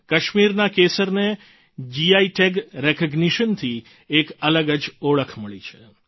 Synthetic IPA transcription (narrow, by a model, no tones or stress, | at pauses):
kəʃmiɾnakesəɾne | d͡ʒiaiʈeɡɾɛkəɡniʃənt̪ʰi | ekələɡəd͡ʒoɭəkʰməɭit͡ʃʰe